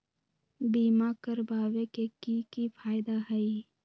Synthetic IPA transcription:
biːmakəɾbaːʋekekikipʰaːjd̪aɦəi

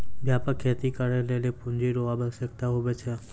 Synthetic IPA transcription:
bʱjapəkʰːet̪ikəɾeləlepũɲd͡ʒiɾoʋabəʃək̚t̪aɦoʋet͡ʃʰe

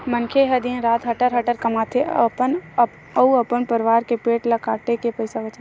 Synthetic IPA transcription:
mə̃nkʰeɦɐd̪iẽɾaːt̪ɦəʈəɾɦəʈəɾkɐmaːt̪ʰeən | əuəpənpəɾɪʋaːɾkepeːʈlɐkaːʈekepəɪsabət͡ʃa

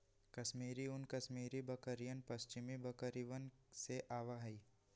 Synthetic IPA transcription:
kɐʃmiːɾiʊnkɐʃmiːɾibɐkəɾijənpəst͡ʃɪmibɐkəɾiʋənseʔaːʋaɦɛi

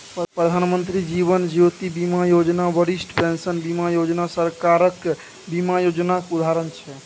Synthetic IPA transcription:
ppɾəd̪ʱanmənt̪ɾid͡ʒibənd͡ʒot̪ibimajod͡ʒnabəɾisʈpensənbimajod͡ʒnasəɾkaɾək | bimajod͡ʒnakud̪ʱaɾənt͡ʃʰɛ

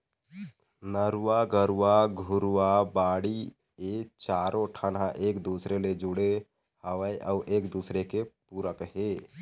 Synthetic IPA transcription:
nəɾwaɡəɾwaɡʱʊɾwabaːɽi | et͡ʃaːɾoʈʰənaʔeːkd̪uːsɾeled͡ʒʊɽe | həʋəeʔɔːʔeːkd̪uːsɾekepuːɾəkɦeː

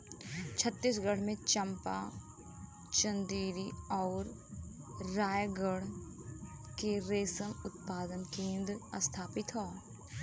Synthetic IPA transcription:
t͡ʃʰət̪ːisɡəɽ̤mẽt͡ʃə̃mpa̰ | t͡ʃə̃nd̪iːɾiɔːɾː | aːjɡəɽ̤ | keɾeːsənʊt̪̚paːd̪ənkĩːnd̪əst̪ʰaːpɪt̪ɦoː

